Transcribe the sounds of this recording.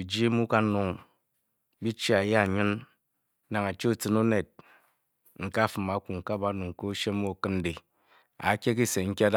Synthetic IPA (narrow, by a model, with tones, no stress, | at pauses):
i˨d͡ʒi˦mu˦ka˦nu˦ŋ | bi˦t͡ʃi˦a˨ja˦˨ɲi˦nː | a˨ŋa˨t͡ʃe˦u˨t͡sɨ˦no˦ne˨t̚ | ŋ̩˨ka˦fɨ˨ma˨˦kʷu˨ŋ̩˨ka˦ba˦nu˨ŋ˨ko˦ʃe˦mu˦o˨kɨ˦n̩˦de˨ | a̰˨˦kʲe˦k̬i˦se˨ŋ̩˦kʲa˦d